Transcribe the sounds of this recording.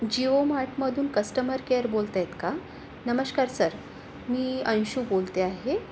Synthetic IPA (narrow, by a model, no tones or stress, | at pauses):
d͡ʑiomaʈməd̪ʱuːnkəsʈəməɾkeɾbolt̪ajet̪ka | nəməɕkaɾsəɾ | miːə̃ñɕuːbolt̪eaɦe